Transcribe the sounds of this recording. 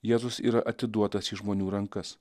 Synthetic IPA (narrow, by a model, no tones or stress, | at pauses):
jeːzʊsḭːɾɐʔɐt̪ʲɪd̪uɔt̪ɐsiʒmoːnʲuːɾɐŋkɐs